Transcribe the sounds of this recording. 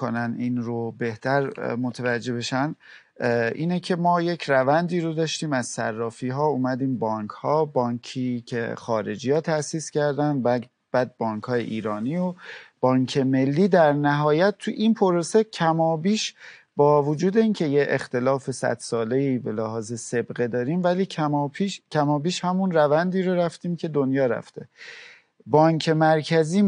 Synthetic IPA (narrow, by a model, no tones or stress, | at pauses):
onæniːnɾobe̞ht̪ʰæɾmot̪ʰevæd͡ʒːe̞be̞ʃæn | ʔiːnecʰe̞mɒːje̞cʰɾævænd̪iːɾod̪ɒːʃt̪iːmæz̥sæ̰rːɒːfiːɦɒːuːmæd̪iːmbɒːŋkʰhɒːbɒːɲkʰiːcʰḛxɒːɾe̞̰d͡ʒijɒːt̪ʰæsiːscæɾd̪ænb | b̥æːd̪̚bɒːŋkʰhɒːjḛʔiːɾɒːniob̥ɒːŋkʰe̞me̞lːiːd̪æɾnæɦɒːjæt̪̚t̪ʰːuʔinpʰoɾosecʰæmɒːbiːʃ | bɒːvod͡ʒuːd̪e̞iːncʰe̞jeʔext̪e̞lɒːfe̞sæ̰d̪̥sɒːle̞iːbe̞læhɒːzese̞bɢe̞d̪ɒːɾiːmvæliːcʰæmːpʰiʃcʲʰæmɒːbiːʃhæmunɾævænd̪iːɾoɾæft̪iːmcʰe̞d̪onjɒːɾæ̰ft̪e̞ | bɒːɲcʰe̞mæɾcʰæziː